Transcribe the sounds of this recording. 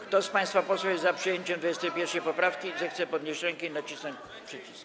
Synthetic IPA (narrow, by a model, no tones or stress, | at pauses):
kt̪ɔspaj̃st̪fapɔswɛjɛzzapʂɨjeɲt͡ɕɛ̃md̪vjɛst̪ɛjpʲjɛɾfʂɛjpɔpɾafkʲizɛxt̪sɛpɔd̪ɲʲeɕt͡ɕɾɛŋkɛinat͡ɕisnɔɲt͡ɕ | pʂɛt͡ɕisk